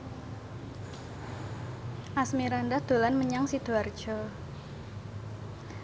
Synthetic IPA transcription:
ʔasmiɾandad̪̥o̤lanməɲaŋsid̪̥uard̥d͡ʒ̥ɔ

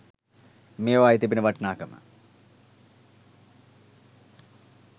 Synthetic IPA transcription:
mijoaːjit̪ːip̬inɨʋɐʈnaːkɐm̰

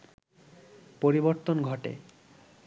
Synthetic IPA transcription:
poɾiboɾt̪onɡʱɔʈḛ

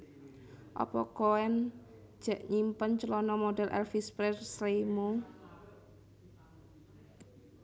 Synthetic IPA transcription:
ʔɔ̰pɔkoɛn̥ | d͡ʒ̥aʔɲimpənt͡ʃəlɔnɔmodɛlʔɛ̰lfispɾɛrsɾeimu

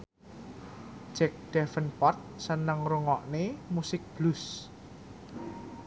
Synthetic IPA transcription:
ʒ̥ɛk̚d̥ɛfənpɔrt̪̚sənəŋɾuŋɔʔnemusɪk̚b̥lus

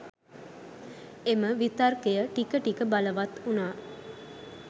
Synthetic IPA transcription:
eməʋit̪arkejəʈikəʈikəbaləʋat̪unaː

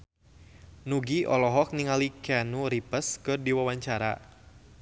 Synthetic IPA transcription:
nuɡiʔɔlɔɦɔk̚niŋalikanuɾipəskɨrdiwawaɲt͡ʃaɾa̰

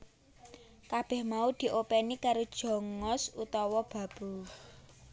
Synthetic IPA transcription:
kab̥ɛ̤hmaud̪̥i̤ʔopɛnikaɾod̥ʒ̥ɔ̤ŋɔsut̪ɔwɔb̥a̤b̥u

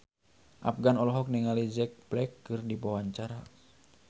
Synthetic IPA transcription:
ʔa̰pɡanɔlɔɦɔk̚nɛŋalid͡ʒɛk̚plɛkːɨrdibawaɲt͡ʃaɾa

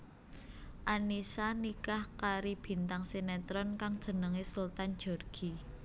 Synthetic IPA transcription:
ʔanisanikahkaɾib̥i̤nt̪aŋsenɛt̪ɾɔnkaŋd̥ʒ̥ə̤nəŋesult̪an̥d͡ʒ̥ɔrɡ̥i

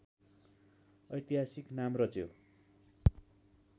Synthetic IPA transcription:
ʌjt̪iɦasiknamrʌt͡sjo

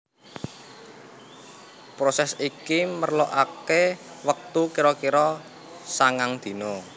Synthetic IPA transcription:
pɾosɛsikimərloʔake | wək̚t̪ukiɾɔkiɾɔ | saŋaŋd̪̥i̤no

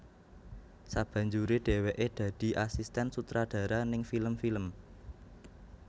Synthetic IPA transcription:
sab̥ä̤ɲd͡ʒuɾeɖ̪̥e̤weʔed̪̥ä̤d̪̥i̤ʔasist̪ɛnsut̪ɾad̥ä̤ɾanɪŋfiləmfiləm

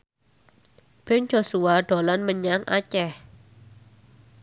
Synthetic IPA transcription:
b̥ɛnd͡ʒo̤suaɖ̥o̤lanməɲaŋʔa̰t͡ʃɛh

